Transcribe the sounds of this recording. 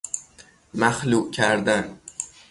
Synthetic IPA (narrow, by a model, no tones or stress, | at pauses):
maχlukʲʰaɾd̪an